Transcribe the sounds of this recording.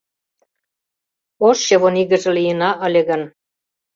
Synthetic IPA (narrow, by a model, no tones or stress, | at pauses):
oʃjɤβoniɣə̆ʒĕlijə̆nɑʔə̆lʲĕɣə̆n